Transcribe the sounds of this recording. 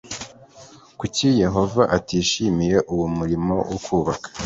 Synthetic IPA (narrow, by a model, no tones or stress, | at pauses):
kucije̞ɦo̞vaʔatiːʃimije̞ʔuwumuɾimo̞̰wʔokʰuːβakḁ